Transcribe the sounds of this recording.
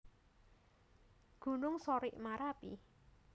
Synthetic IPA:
ɡ̥ṳnʊŋsoɾɪʔmaɾapḭ

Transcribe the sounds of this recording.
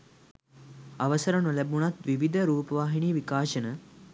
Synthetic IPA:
aʋəsəɾənulæbunat̪ʋiʋid̪ʱəɾuːpəʋaːɦiniːʋikaːʃənə

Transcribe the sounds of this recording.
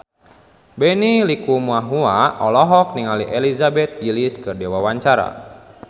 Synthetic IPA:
bɛnilikumuaɦuaʔɔlɔɦɔk̚niŋaliʔelizabɛt̪̚iliskɨrdewawaɲt͡ʃaɾa̰

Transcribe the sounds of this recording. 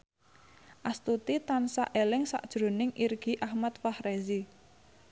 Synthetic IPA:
ʔast̪ut̪it̪ansaʔelɪŋsa̰ʔd̥ʒ̥ɾo̤nɪŋʔirɡ̥i̤ʔahmat̪̚fahrezi

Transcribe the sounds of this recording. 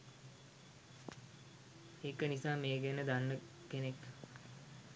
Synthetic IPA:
eːkənisaːmeːɡenəd̪anːə | kenekː

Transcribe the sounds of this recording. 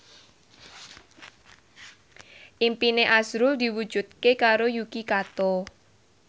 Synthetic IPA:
ʔimpineʔazɾʊld̪i̤wud̥d͡ʒ̥ṳt̪̚kekaɾojukikat̪ɔ

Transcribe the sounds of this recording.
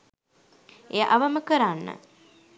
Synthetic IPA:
ejəʔaʋəməkəɾanːə̰

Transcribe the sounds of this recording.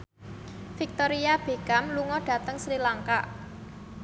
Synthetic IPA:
fik̚t̪oɾiab̥e̤kamluŋɔɖ̥ä̤t̪əŋsɾilaŋkaʔ

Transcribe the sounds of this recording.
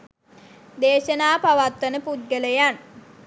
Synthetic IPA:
d̪eːʃənaːpaʋat̪ʋənəput̪̚ɡələjan

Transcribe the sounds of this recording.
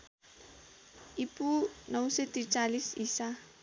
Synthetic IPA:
ipunawset̪it͡ʃalisisa

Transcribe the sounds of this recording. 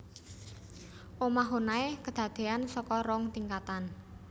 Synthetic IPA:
ʔomaɦonaekəd̪̥ä̤d̪̥e̤ansɔkɔɾɔŋt̪iŋkat̪an

